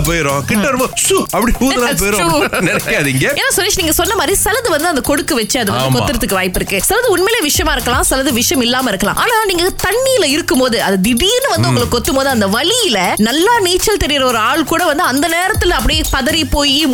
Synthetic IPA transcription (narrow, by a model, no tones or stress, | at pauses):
pojɾõːkɪʈːɐɾɯmɐsuɐpːɐɽikuːðɐnapoːjɾõunɛɾɐkːaːðɪŋɡɐeːnːaːsɔɾeːt͡ʃniːŋɡɐsɔnːɐmaːd̪ɾisɐlɐðɯʋɐnd̪ɯɐnd̪ɐkɔɽɯkːɯʋɐt͡ʃːɯɐðɯʋɐndkɔtɯːɯɾɐt̪ːɯkːɯʋaːjɪpːɪɾɯkːɯsɛlɐðɯʊɳmeːleːʋɪʂɐjɐmaːɪɾɯkːɐlãːsɛlɐðɯʋɪʂɐjɐmɪlːaːmɐɪɾɯkːɐlã̰ːʔa̰ːnaːaːniːŋɡɐt̪ɐɳːijɪlɐɪɾɯkːɯmpoːðɯʔɐðɯd̪ɪɽiːnːɯʋɐnd̪ɯʊŋɡɐɭɯkːɔt̪ːɯmpoːðɯɐnd̪ɐʋɐɭɪjɪlɐnɐlːaːniːt͡ʃːɐlt̪ɛɾɪjɪɾɐɔɾɯaːɭkuːɽɐʋɐnd̪ɯɐnd̪ɐneːɾɐt̪ːɯlɐp̬ːɐɽɪjeːpɐðɐɾipoːji